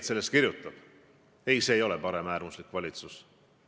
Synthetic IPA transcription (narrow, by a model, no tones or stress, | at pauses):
t̪se̞lːest̪kirjut̪ːˑɑb̥ | e̞jse̞ːjo̞lɛ̞pɑɾe̞mæːrmuslikːˑvɑlʲit̪sus